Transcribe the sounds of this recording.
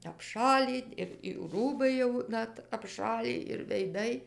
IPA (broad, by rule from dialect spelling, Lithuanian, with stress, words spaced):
ɐpˈʃɑːlʲiː ɪr juː ˈruːbɐɪ jɛʊ ˈnɐt ɐpˈʃɑːlʲiː ɪr ʋʲɛɪˈdɐɪ